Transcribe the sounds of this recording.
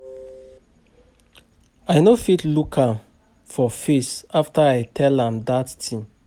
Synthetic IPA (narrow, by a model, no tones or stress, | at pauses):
aɪnofitlukʰãm | fɔfisaftəaɪtʰɛlãmdatːʰĩm